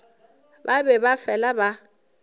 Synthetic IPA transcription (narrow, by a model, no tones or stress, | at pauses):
babɛbafɛlaba